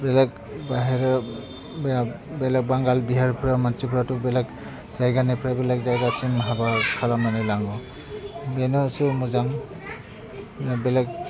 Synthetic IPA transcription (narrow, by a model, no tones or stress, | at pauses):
bɛlɛk | baɦɛɾa | b | bɛlɛk̚baŋɡalbiɦaɹpʰɾamansipʰɾatubɛlɛk | zajɡanipʰɾabɛlak̚zajɡasimɦabakʰalamanalaŋɡɔ | bɛnɔsumuzaŋ | bɛlɛk̚